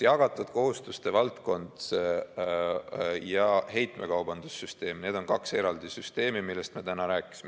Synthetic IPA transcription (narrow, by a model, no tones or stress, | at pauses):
jɑɡ̥ɑt̪ːˑud̪̥ko̞ɦust̪ust̪e̞vɑlt̪ko̞nd̪s | jɑhe̞jt̪me̞̰kɑwbɑnd̪̥usːyst̪e̞ːmne̞ːd̪̥o̞nkɑkse̞ɾɑld̪isyst̪e̞ːmimilːe̞st̪me̞t̪ænɑɾæːkːˑi̥sime